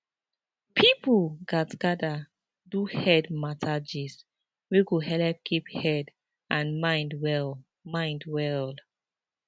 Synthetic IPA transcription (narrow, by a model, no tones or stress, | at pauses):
pʰipʰuɡatɡada | duhɛdmatad͡ʒis | weɡuɦɛlɛp̚kʰiphɛd | ãnmãjndwɛl | mãjndwɛl